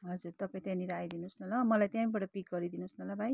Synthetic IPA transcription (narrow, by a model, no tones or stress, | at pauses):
ɦʌd͡zuɾt̪ʌpaĩt̪jãniɾajd̪inosnʌlamʌlajt̪jãmĩbʌʈʌpik̚ɡʌɾid̪inosnʌlabʱaj